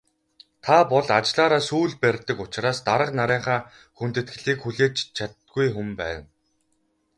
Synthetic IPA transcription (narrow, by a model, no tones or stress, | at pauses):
t̪ʰapɔɮat͡ɕɮaːɾaːsuːɮpærʲt̪ə̆kʊt͡ɕɪ̆raːst̪aɾə̆qnaɾæːɴχaː | xun̥t̪ɘ̆t̪̚ɡɘ̆ɮiːkxuɮeːt͡ɕt͡ɕʰat̪ɡujxumpæ̰ːw̪